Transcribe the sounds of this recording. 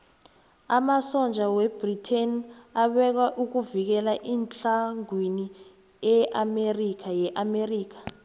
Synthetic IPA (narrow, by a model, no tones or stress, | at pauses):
amasɔnd͡ʒʱawɛb̥ritʰenaɓɛk̬aʔuk̬uvik̬ɛlaʔiːnt͡ɬaŋwini | ɛʔamerik̬ajɛʔameriːk̬ḁ